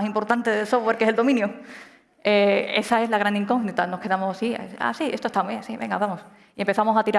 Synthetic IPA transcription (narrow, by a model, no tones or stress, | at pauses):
simpo̞ɾt̪ant̪e̞ðelso̞vwe̞ɾkeseld̪o̞mĩnju | ee̞̰sae̞zlaɣ̞ɾand̪iŋkoɣnit̪ano̞hke̞ðamossia̰a̰sie̞st̪ost̪amweasiβe̞̰ŋɡaβamos | iempe̞θamo̞sat̪iɾa